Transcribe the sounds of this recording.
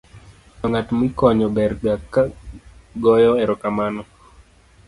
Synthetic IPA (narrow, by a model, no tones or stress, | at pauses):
tɔŋatmikɔɲɔbɛɾɡakːa | ɡɔjɔɛɾɔkamanɔ